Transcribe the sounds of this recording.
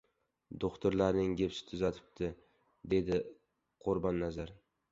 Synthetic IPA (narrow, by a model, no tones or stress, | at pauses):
d̪oχt̪ʊɾlaɾnɪŋɡʲepsɪ̥t̪ʰʊzat̪ʰɪ̥p̚t̪ʰɪ | d̪e̞d̪ɪ | qʰʊɾbɒnːazaɾ